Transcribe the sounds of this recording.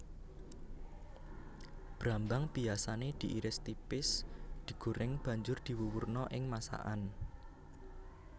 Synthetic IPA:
b̥ɾambaŋb̥iasaned̪̥i̤ʔiɾɪst̪ipɪsd̪̥i̤ɡ̥uɾɪŋb̥a̤ɲd͡ʒʊrd̪̥i̤wuwurnɔʔɪŋmasa̰ʔa̰n

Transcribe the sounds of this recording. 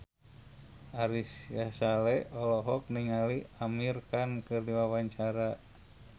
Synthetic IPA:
ʔaɾisjasalɛɔlɔɦɔk̚niŋaliamirkankɨrdiwawaɲt͡ʃaɾa

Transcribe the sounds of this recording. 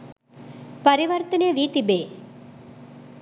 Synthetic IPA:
pəɾiʋəɾt̪əneʋiːt̪ibeː

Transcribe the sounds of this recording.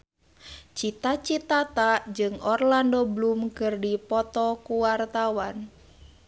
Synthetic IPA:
t͡ʃit̪at͡ʃit̪at̪ad͡ʒɨŋɔrlandoblumkɨrdipɔt̪ɔkuwart̪awan

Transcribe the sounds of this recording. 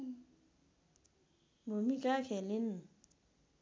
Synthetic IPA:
momikakʰɛlin

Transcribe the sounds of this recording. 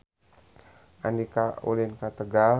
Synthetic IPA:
andikaṵlinkat̪əɡa

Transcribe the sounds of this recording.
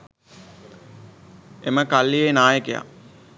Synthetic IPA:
eməkalːijenaːjəkeja̰

